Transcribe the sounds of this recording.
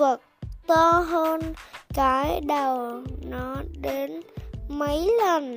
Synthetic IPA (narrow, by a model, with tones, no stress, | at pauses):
ə˨˩k̚t̪ɔ˧ɦəː˧nkaː˧˩˦jɗə˨˩wnɔ˨˦ɗe˨˦nmə˨˦jlə˨˩n